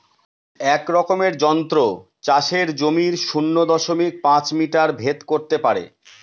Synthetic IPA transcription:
ɛkɾɔkomeɾd͡ʑɔnt̪ɾo | t͡ɕaʃeɾd͡ʑomiɾʃunːod̪ɔʃomik̚pãt͡ɕmiʈaɾbʱet̪koɾt̪epaɾḛ

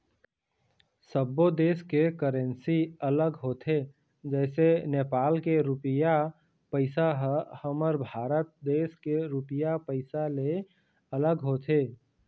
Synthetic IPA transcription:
səbːod̪eːskekəɾə̃nsiələɡɦoːt̪ʰe | d͡ʒɛːseneːpaːlkeɾʊpɪja | pəɪsaɦhəməɾbʱaːɾət̪̚d̪eːskeɾʊpɪjapəɪsale | ələɡɦoːt̪ʰeː

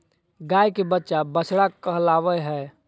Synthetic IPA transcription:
ɡajkebətːʃabəsʰɽakəɦlaʋɛɦɛː

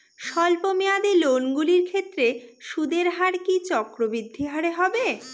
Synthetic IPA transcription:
ʃɔlpomead̪elonɡuliɾkʰet̪ːɾeʃud̪eɾɦaɾkit͡ɕɔkɾobɾid̪ʱːiɦaɾeɦɔbe

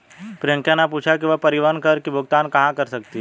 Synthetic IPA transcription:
pɾɪjə̃ŋkjãnapuːt͡ʃʰak̬iʋɐpɐɾɪʋankɐɾkibʱʊɡt̪aːnkɐɦãkɐɾsɐkt̪iɦ

